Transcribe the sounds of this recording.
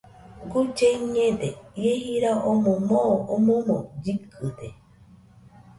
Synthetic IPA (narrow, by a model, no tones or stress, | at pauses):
ɡud͡ʒeiɲẽd̪eiehiɾaʔomõmoʔomomõd͡ʒikʰɨd̪e